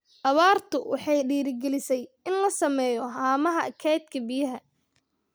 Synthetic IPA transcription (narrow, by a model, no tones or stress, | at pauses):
ʔɐβaːrt̪ʰʊwʔɑ̰ħɑjɖiːɾɪɡɛlɪsɛjɪnlɐsɐmɛːjɔɦaːmɐɦɐkʰɛjt̪kʰɐbɪjɐɦɐ